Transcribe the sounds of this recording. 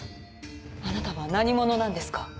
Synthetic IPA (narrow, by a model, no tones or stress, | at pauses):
anat̪aβanaɲ̟imo̞no̞nãnd̪e̞sɨ̥kḁ